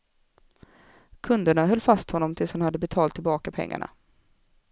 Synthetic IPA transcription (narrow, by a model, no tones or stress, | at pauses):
kʰɵnd̪əɳaɦœlːfast̪hɔnːɔmt̪ʰɪlshanhad̪ːəbɛt̪ʰɑːlt̪ʰːɪlbɑːkapʰɛ̰ŋːa̰ɳa̰